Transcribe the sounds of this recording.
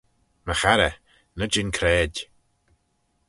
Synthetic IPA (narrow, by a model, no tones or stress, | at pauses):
məxaɾə | nəd͡ʒɪnkʰɾɛːdʲ